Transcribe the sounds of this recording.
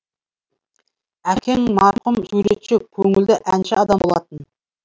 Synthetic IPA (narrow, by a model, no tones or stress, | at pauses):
ækʲʰe̞ŋmɑɾqəmsuɾe̞t̪ʃɪkʲʰɵŋɪld̪ɪʔænʃɪɑd̪ɑmbo̞lˠɑt̪ən